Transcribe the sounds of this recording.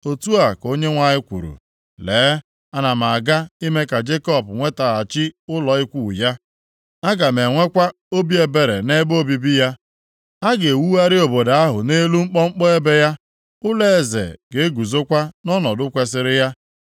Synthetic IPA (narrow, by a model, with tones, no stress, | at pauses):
o˨tu˦a˨ko˦ɲe˦ŋʷa˨ɲɪ˦kʷṵ˨ɾṵ˨ | leː˨˦ | a˦na˨m˨a˨ɡa˦i˦me˦ka˨d͡ʒe˦kɔ˦˨pŋʷe˦ta˨a˨t͡ʃɪ˦ʊ˦lɔ˨ɪ˦kʷu˦˨ja˦ | a˦ɡa˨me˨ŋʷe˦kʷa˦ | o˦bi˦e˨be˨ɾe˨ne˦bo˦bi˨bi˦ja˦ | a˦ɡe˨wu˦a˦ɾɪ˦o˨bo˨da˦ɦʊ˨ne˦lu˦ŋ͡m̩˦k͡pɔ˦ŋ͡m̩˦k͡pɔ˦e˦be˦ja˦ | ʊ˦le˦e˨zḛ˨ɡe˨e˦ɡu˨zo˦kʷa˦nɔ˦nɔ˨dʊ˦kʷe˦s̬ɪ˦ɾɪ˦ja˦